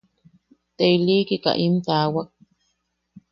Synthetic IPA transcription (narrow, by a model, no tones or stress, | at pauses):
t̪eilikika̰ʔimt̪aːwak̚